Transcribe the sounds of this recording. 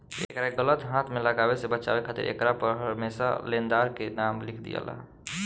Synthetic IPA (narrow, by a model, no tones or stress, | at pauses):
ḛːkɾaeɡələt̪ɦãːt̪ʰmẽləɡaːwesebət͡ʃa̰ːwekʰat̪ḭɾʔḛːkɾapəɾɦəɾmeːsa̰lẽːnd̪aːɾkenaːmlɪkʰd̪ḭjə̰la̰